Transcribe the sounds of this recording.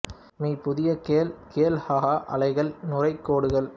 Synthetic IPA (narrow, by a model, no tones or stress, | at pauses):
miːpʊðɪjɐkeːlkeːlhaːɦaːʔɐ̰lɐɪɣɐɭnʊrɐɪkːoːɽɯɣɐɭ